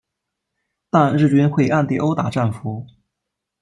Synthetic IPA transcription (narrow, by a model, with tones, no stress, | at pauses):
t̪a˥˧nɻɻ̩˥˩t͡ɕy˥nxwe˥˩ɪʔa˥˧nt̪i˥˩ʔo˥ʊt̪a˨˩ʈ͡ʂa˥˩nfu˧˥